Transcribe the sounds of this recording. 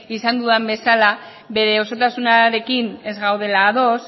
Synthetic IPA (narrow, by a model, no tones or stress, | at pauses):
isand̪uambe̞sala | βe̞ɾe̞o̞so̞t̪asunaɾe̞kine̞zɣawð̞e̞laːðo̞s